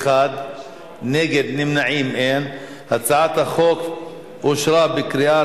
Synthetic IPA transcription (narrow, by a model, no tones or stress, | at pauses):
ad̪ | neɡed̪nimnaʕimʔen | hat͡saʕat̪haχok | ʔoʃɾabekɾia